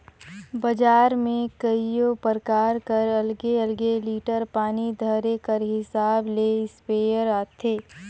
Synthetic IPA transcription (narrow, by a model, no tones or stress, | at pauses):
bɐd͡ʒaːɾmẽkɐijõpəɾkaːɾkəɾɐlɡeɐlɡeliːʈəɾpaːnid̪ʱəɾekəɾɦɪsaːbleːɪspeːjəɾaːt̪ʰeː